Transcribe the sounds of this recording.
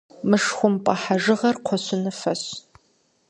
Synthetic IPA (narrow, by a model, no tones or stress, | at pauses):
mɨʂxʷʊmpʼɐħaʒɨʁɐrqʷʰɔɕʊnɐfɐɕ